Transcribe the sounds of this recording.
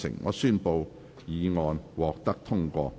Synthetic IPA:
sɪ̰˨˩ŋːɔ̰ː˨˧syː˥˧npo˧w | jiː˨˧ŋɔː˨˧nwɔː˨k̚t̪ɐ˥k̚t̪ʰʊ˥ŋkʷɔ̰ː˧

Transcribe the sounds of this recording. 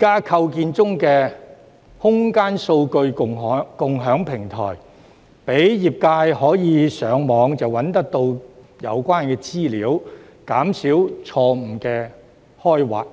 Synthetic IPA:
kaː˥kʰɐ˧wkiː˧nt͡sʊ˥ŋkɛː˧ | hʊ˥ŋkaː˥nso˧wkɵ˧ɥkʊ˨ŋː˨˧kʊ˨ŋɦœː˨˥ŋpʰɪ˨˩ŋt̪ʰɔ̰ː˨˩j | pe˨˥jjiː˨p̚kaː˧jhɔː˨˥jiː˨˧sœː˨˧˥ŋmɔː˨˧ŋt͡sɐ˨wɐ˨˥nt̪ɐ˥k̚t̪o˧wjɐ˨˧wkʷaː˥nkɛː˧t͡siː˥liː˨˥w | kaː˨˥msiː˨˥wt͡sʰɔː˧m̩˨˩kɛː˧ | hɔː˥jwa̰ː˨˩k̚

